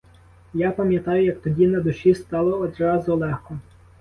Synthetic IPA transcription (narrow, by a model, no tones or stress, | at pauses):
japɐmʲjɐt̪ɑjʊjɐk̚t̪ɔdʲinɐd̪ʊʃʲist̪ɑlˠɔɔd̪rɑzʊlˠɛxkɔ